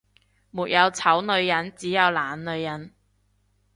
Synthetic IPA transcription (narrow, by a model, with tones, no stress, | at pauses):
muː˨t̚jɐ˨˧wt͡sʰɐ˨˥wnɵ˨˧ɥjɐ˨˥nt͡siː˨˥jɐ˨˧wlaː˨nnɵ˨˧ɥjɐ˨˥n